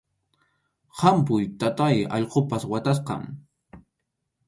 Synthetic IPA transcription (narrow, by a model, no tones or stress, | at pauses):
hampʊjt̪at̪ajɑ̰ʎqopaswat̪as̬qɑ̰ŋ